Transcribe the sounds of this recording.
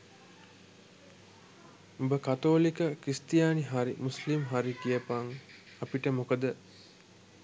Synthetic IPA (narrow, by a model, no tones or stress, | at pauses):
ubəkat̪oːlikəkist̪ijaːniɦaɾimuslimɦaɾikijəpaŋ | apiʈəmokəd̪ə